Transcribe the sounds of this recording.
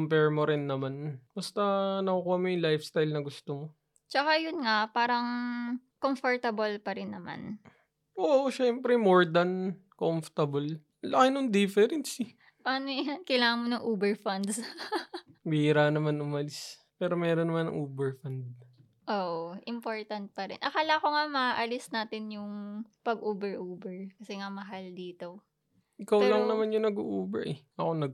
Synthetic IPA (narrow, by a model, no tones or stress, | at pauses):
kʊmpɛɹmoɾɪnːɐmanbɐst̪ɐnɐkokoɐmojŋlajfst̪ahɪlnɐɡʊst̪omo | t͡ʃɐkajʊnŋapaːɾɐŋkomfoɹt̪ɐbɐlpɐɾɪnːɐma̰n | ʔoʔʃɛmpɾɛmoɹd̪ɐn | komft̪ɐbɐl | lɐkɪnoŋd̪ɪfɛɾɛnsɪ | pɐʔanojankɐjlaːŋɐŋmonɐŋʔoːbɛɹfɐnd̪s | biɾaːnɐmanʊmɐlɪs | pɛːɾo̞mɛːɾonːɐmanːɐ̰ŋʔoːbɛɹfɐnd̪̚ | ʔoːʔoʔɪmpoɹt̪ɐnt̪̚pɐɾɪ̰nʔɐkaːlɐko̞ŋamɐaʔɐlɪsnaːt̪ɪnjʊŋpɐɡʔuːbɛɹʔuːbɛɹkɐsɛŋamɐɦald̪iːt̪o̞ | ʔɪkawlɐŋnɐmanjʊŋnɐɡṵːʔuːbɛɹʔɛʔɐkonɐɡ